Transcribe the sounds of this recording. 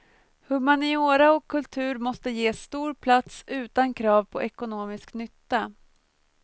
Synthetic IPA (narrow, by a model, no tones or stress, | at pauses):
hɵmanɪoːɾaɔkʰːɵlt̪ʰʉ̟ːɾmɔst̪əjeːst̪uːɾpʰlat̪sʉ̟ːt̪ankʰɾɑːvpʰɔʔɛkʊnoːmɪsknʏt̪ːa